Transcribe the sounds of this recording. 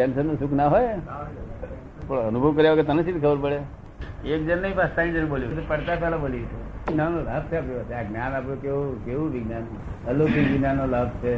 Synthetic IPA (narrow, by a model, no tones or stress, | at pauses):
pɛnsənːusukʰnaɦoj | pɽənubʱəʋkəɾjaʋəɡət̪ənəsʰit̪ʰikʰəbəɾpəɽe | ek̚d͡ʒənːəɦĩpast̪ãĩd͡ʒəñɓoljut̪̬opəɽt̪apɛlabolit̪ʰenanolaːb̚t͡ʃʰeapɾiʋaseaɡnanapɽũkeukeʋũʋɪɡnan | əlokiɡinanːolabt͡ʃʰe